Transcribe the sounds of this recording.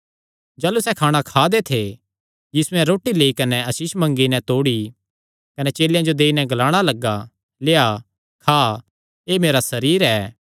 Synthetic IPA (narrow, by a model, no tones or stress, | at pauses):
d͡ʒaːlusɛkʰaːɽ̃akʰaːd̪et̪ʰe | jiːsʊɛ̃ɾoːʈileːikɐnɛɐsiʃmɐ̃ŋɡinɛt̪oːɽi | kɐnɛt͡ʃeːljãd͡ʒod̪eːinɛ̃ɡɐlaːɽ̃alɐɡːa | leːa | kʰaː | eːmeːɾasɐɾiːɾɛː